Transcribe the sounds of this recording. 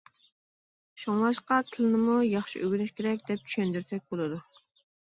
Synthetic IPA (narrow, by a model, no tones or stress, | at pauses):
ʃoŋlˠɑʃqɑt̪ʰɪlɪnɪmujɑχʃiʔøɡʲynyʃkʲeɾɛk̚ʲd̪ɛp̚t͡ʃʰy̥ʃɛnd̪yɾsɛk̚ʲbolˠɨd̪u